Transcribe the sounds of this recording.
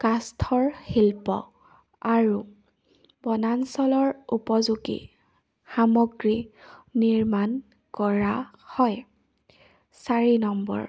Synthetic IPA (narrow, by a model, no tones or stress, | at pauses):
kastʰɔɹxilpɔ̰ | aɹu | bɔnansɔlɔɹupɔzuɡḭ | xamɔɡɹiːiɹman | kɔɹa | hɔj | saɹinɔmbɔ̰ɹ